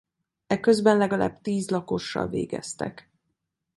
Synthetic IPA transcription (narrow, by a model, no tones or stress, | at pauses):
ɛkøzbɛnlɛɡɒla̰ːbt̪iːzlɒko̞ʃːɒ̰lvḛːɡɛ̰st̪ɛ̰k